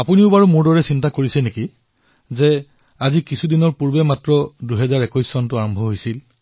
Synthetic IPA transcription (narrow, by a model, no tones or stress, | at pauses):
apuniʊbaɹumʊɹdɔɹɛsintakoɹisiɛneki | zɛ | azikisʰudinɔɹpuɹbɛmatɹɔduɦɛzaɹɛkɔjsːɔntʊaɹɔmbʱɔɦojsil